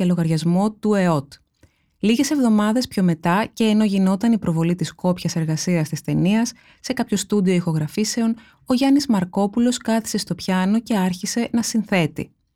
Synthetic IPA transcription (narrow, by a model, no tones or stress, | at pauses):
ɐlo̞ɣɐɾʝɐzmo̞t̪ue̞o̞t̪ | liʝe̞se̞vðo̞mɐðe̞spço̞me̞t̪ɐce̞ːno̞ʝino̞t̪ɐnipɾo̞vo̞lit̪isko̞pçɐse̞ɾɣɐsiɐst̪ist̪e̞niɐsː | e̞kɐpço̞st̪ud̪io̞ixo̞ɣɾɐfise̞o̞n | o̞ʝɐnizmɐɾko̞pulo̞skɐθi̥se̞st̪opçɐno̞ce̞ɐɾçise̞nɐsinθe̞t̪ḭ